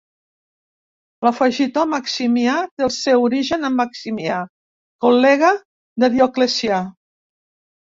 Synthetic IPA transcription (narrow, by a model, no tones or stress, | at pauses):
ləfəʒit̪omaksimjat̪eəlˠsewuɾiʒənəmːaksimja | kolːɛɣə | d̪əðjoklesia